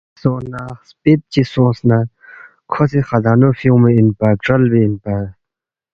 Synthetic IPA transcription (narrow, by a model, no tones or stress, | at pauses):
sõːnaspet̪̚t͡ɕisõːsna | kʰosixɐd̪aːnofijũmeinpaːʈ͡ʂɐlbeːnpaː